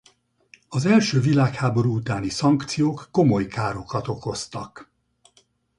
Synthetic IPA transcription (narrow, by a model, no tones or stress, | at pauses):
ɒzɛlʃøːvilaːkhaːbo̞ɾuut̪aːnisɒŋkt̪sijoːkːo̞mo̞jkaːɾo̞kɒt̪o̞ko̞st̪ɒk